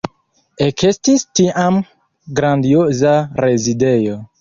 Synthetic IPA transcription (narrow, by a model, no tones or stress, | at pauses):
ekestistiʔam | ɡɾandiozaɾe̞zide̞jo̞